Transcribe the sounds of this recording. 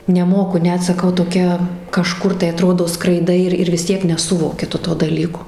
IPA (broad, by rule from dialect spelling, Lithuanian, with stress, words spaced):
nʲɛˈmoːkʊ ˈnʲɛt sɐˈkɐʊ toːˈkʲɛ kɐˈʃkʊr tɐɪ ɐˈtroːdoː skrɐɪˈdɐɪ ɪr ɪr ʋʲɪs ˈtʲiɛk nʲɛˈsʊʋoːkʲɪ ˈtʊ toː dɐˈlʲiːkoː